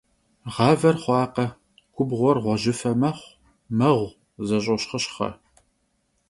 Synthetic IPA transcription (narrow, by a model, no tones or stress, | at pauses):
ʁɑːvɐrχʷɑːqɐ | kʷʰʊbʁʷɔrʁʷɔʒɪfɐmɐχʷ | mɐʁʷ | zɐɕ̬ʼɐɕχəɕχɐ̰